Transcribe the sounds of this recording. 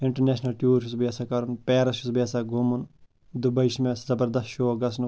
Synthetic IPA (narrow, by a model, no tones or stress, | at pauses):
ɪɳʈɐɾneːʃnɐlʈjuːɾʃusbaːsakɐɾunpɛːɾɐsʃusbjaːsaɡʱumun | d̪ubɐiʃmẽzɐbɐɾd̪ɐsʃoːɐɡɐsn